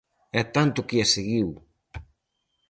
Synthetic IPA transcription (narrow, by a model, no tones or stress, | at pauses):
ɛt̪ant̪ʊkiaseɣiw